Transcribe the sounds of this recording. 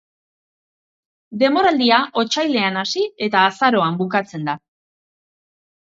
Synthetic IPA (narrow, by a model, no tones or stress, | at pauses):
d̪e̞mo̞ɾald̪iaʔo̞t͡ʃajle̞anasie̞t̪aːsaɾo̞ambukat͡se̞nd̪a